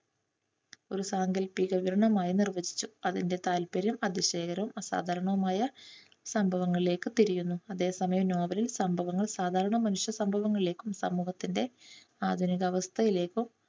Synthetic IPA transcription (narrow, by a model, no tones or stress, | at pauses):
o̞ɾusaːŋɡɐlpiɣɐʋiɾɐɳɐmaːjinirʋɐd͡ʑi̥t͡ɕːuɐðinde̞t̪aːlpɐɾjɐmɐd̪iɕe̞ːkɐɾɐʋumɐsa̰ːd̪ʱaːɾɐɳɐʋumaːjɐ | sɐmbʱɐʋɐŋːɐɭile̞ːkːɨt̪iɾijunːuɐðe̞ːsɐmɐjɐmnoːʋɐlilsɐmbʱɐʋɐŋːɐɭsaːd̪ʱaːɾɐɳɐmɐnuʂjɐsɐmbʱɐʋɐŋːɐɭile̞ːkːumsɐ̰muːɦɐt̪ːinde̞ | aːd̪ʱuniɣɐʋɐst̪ʰɐjile̞ːkːum